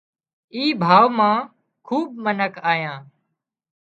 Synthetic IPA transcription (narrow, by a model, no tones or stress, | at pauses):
iːbʱaːʋmãː | kʰuːb̚mənəkʰaːjãː